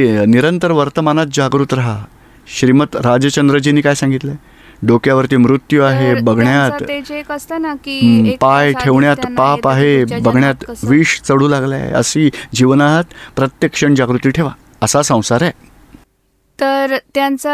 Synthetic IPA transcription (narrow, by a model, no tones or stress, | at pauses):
niɾənt̪əɾʋəɾt̪əmanat̪̚d͡ʑaɡɾuːt̪ɾaɦa | ɕɾimət̪ɾad͡ʑət͡ɕənd̪ɾəd͡ʑiniːkajsãŋɡit̪le | ɖokjaʋəɾt̪iːmɾut̪juaɦebəɡɳjat̪əsanpajʈʰeʋɳjat̪papaɦebəɡɳjat̪ʋiːʂt͡səɽuːlaɡla̰ə̰sid͡ʑiʋənaɦət̪pɾət̪jəkʂəɳd͡ʑaɡɾut̪iːʈʰeʋa | əsasə̃w̃saɾɛ | t̪əɾt̪jant͡s